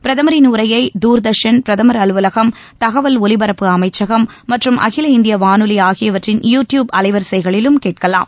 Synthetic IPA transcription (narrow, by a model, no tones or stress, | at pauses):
pɪɾɐðɐmɐɾɪnuːɾɐjɐɪd̪uːɾd̪ɐʂɐnpɪɾɐðɐmɐɾɐlɯʋɐlɐɣɐm | t̪ɐɣɐʋɐlɔlɪbɐɾɐpːɯɐmɐɪt͡ʃːɐɣɐmːɐʈrɯmʔɐ̰ɣɪlɐɪnd̪ɪjɐʋaːnɯlɪjaːɣɪjɐʋɐʈrɪnjuːʈjuːbɐlɐɪʋɐɾsɐɪɣɐɭɪlɯmkeːʈ̚kɐla̰ːm